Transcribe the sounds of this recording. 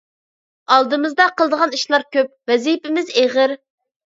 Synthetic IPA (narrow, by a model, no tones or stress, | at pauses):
ɑlˠd̪ɨmɨzd̪ɑqʰəlˠd̪əʁɑniʃlˠɑɾkʲøp̚vɛzipɪmɪzeʁəɾ